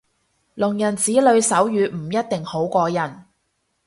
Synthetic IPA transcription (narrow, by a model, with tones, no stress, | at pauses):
lʊ˨˩ŋjɐ˨˩nt͡siː˨˥lɵ˨˧ɥsɐ˨˥wjyː˨˧m̩˨˩jɐ˥t̚t̪ɪ˨ŋho˨˥wkʷɔː˧jɐ˨˩n